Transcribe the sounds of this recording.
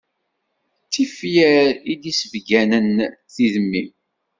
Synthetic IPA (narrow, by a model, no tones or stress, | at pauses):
t͡sːifjæɾid̪isəvɡænənθiðəmːim